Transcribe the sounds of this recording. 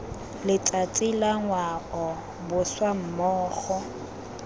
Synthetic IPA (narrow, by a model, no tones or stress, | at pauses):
lɪt͡sʼat͡sʼilaŋwakɔ | bʊswam̩mɔːχɔ